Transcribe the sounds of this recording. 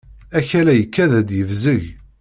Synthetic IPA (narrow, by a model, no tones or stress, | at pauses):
æçælæjəkːæðæd̪jəvzəʝ